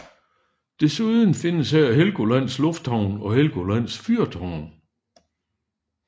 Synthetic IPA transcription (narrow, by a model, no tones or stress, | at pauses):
d̥e̝suðˠən̩fe̝nəsææɦelɡ̥o̝læn̰slɔ̽fd̥hɑʊ̰nɒ̽helɡ̥o̝læn̰sfyɐd̥hɑʊ̰n